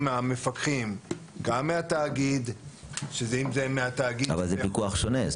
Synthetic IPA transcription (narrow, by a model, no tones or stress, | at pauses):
meame̞fakχimɡamːeat̪aːɡid̪ʃezeimzemeat̪aːɡia̰valzepikuaχʃone